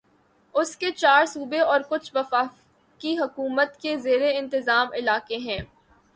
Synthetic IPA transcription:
ʊsket͡ʃaːɾsuːbeɔːɾkʊt͡ʃʰʋɐfaː | kiɦʊkuːmət̪kezeːɾeɪ̃nt̪ɪzaːmɪlaːkeɦɛ̃ː

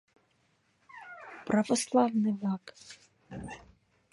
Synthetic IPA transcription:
prɐvɔslˠavnɨvak

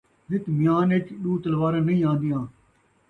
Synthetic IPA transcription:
zɪt̪mɪjaːnet͡ʃɗuːt̪əlʋaːɾãːnəĩːãːnd̪ɪjãː

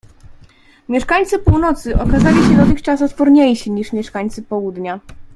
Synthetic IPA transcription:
mʲjɛʂkaɲt̪sɘpuwnɔt̪sɘʔɔkazalʲiɕɛd̪ɔt̪ɘxt͡ʂas̬ɔt̪pɔɾɲejɕiɲiʂmʲjɛʂkaɲt̪sɘpɔwud̪ɲa

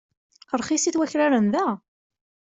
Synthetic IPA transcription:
qəɾˤχisiθwæçɾaɾənðæ

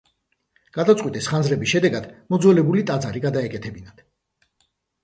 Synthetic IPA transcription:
ɡ̥ad̪at̪sʼwit̪ʼɛsχanzɾɛbisʃɛd̪ɛɡad̪̥mɔd̪zɔlɛbulit̪ʼad̪zaɾiɡad̪aɛkʼɛt̪ʰɛbinad̪̥

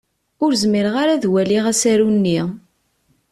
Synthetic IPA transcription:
ʊɾzmiɾʁaɾaðwæliʁæsæɾunːi

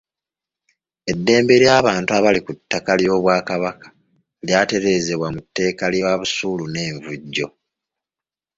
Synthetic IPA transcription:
e̞dːe̞ːmbeɾjaːβaːntuaβalikutːakaljo̞ːβwaːkaβakḁ | ljaːte̞ɾe̞ːze̞βwamutːe̞ːkaljaβusuːlune̞ːɱvuɟːo̞

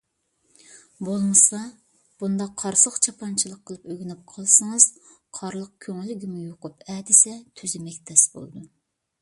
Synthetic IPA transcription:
bolˠmɨsɑ | b̥und̪ɑqʰːɑɾsəχt͡ʃʰɑpʰɑnt͡ʃʰilˠəqʰːəlˠɨpøɡʲynyp̚qʰɑlˠsɑŋɨz̥ | qʰɑɾlˠəq̚kʲʰøŋɪlːɪɡʲimujoqʊpɛːd̪ɪsɛt̪ʰyzɪmɛkʲt̪ʰɛsbo̰lˠd̪u

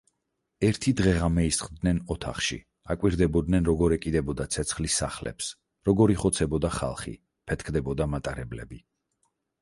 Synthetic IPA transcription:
ɛɾt̪ʰid̪ʁɛʁamɛist̪χd̪nɛnɔt̪ʰa̰χʃḭ | akʼwiɾd̪ɛbɔd̪nɛnɾɔɡɔɾɛkʼid̪ɛbɔd̪at̪sʰɛt̪sʰχlisːa̰χlɛ̰ps | ɾɔɡɔɾiχɔt̪sʰɛbɔd̪aχa̰lˠχḭ | pʰɛt̪̚ʰkʰd̪ɛbɔd̪amat̪ʼaɾɛblɛ̰bi

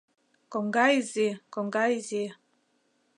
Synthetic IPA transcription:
kɔŋɡaizikɔŋɡaizi

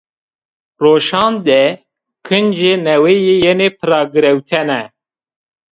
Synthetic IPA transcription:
roːʃɑːnd̪ɛ | kʰɨnd͡ʒenɛweːjeːjɛneːpʰɨɾɑːɡɨɾɛwt̪ʰɛnɛ

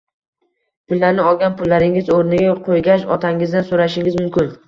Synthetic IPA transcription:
pʰʊlːaɾnɪɒɡʲanpʊlːaɾɪŋɪzoɾnɪɡʲaqʰojɡʲaʃɒ̰t̪ʰaŋɪzd̪ansoɾaʃɪŋɪzmʊmkʲʰɪn

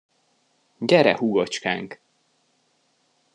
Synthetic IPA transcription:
ɟɛɾɛ̰huɡot͡ʃka̰ːŋk

